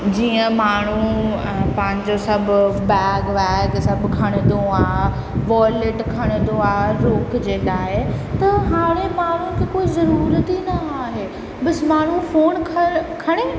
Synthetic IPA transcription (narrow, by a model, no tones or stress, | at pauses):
d͡ʑiːə̃maːɳ̤u | pɐ̃ɦɪ̃ɲd͡ʑosɐbʱʊbɛːɡʋɛːɡsɐbʱkʰɐɽ̃ɪ̃d̪õaːɦ | ʋɔːlɪʈkʰɐɽ̃ɪ̃nd̪oaːɦɾoːkd͡ʑeːkaːɦet̪ɐɦaːɽ̃emaːɳ̤ũkʰekoːizɐɾuːɾt̪inɐaːɦeː | bɐsɪmaːɳ̤ũfoːnkʰɐkʰɐɽ̃e